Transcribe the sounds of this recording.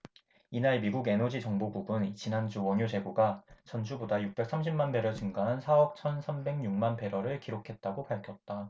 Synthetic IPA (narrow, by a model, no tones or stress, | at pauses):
inaɭmiɡuɡe̞nʌd͡ʑit͡ɕʌŋboɡuɡɯnt͡ɕinɦand͡ʑuwʌɲod͡ʑe̞ɡoɡat͡ɕʌnt͡ɕʰubodajuk̚p͈e̞k̚s͈ʰamɕʰimmanbe̞ɾʌt͡ɕɯŋɡaɦansʰaʌp̚t͡ɕʰʌnsʰambe̞ŋɲuŋmanpe̞ɾʌɾɯɭkiɾokʰe̞t̚t͈aɡopaɭkʰjʌt̚t͈a